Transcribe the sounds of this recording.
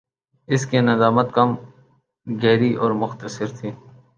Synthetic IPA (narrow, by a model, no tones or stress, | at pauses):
ɪskenɐd̪aːmət̪̚kɐm | ɡɛːɾiʔɔːɾmʊxt̪əsɪɾt̪ʰiː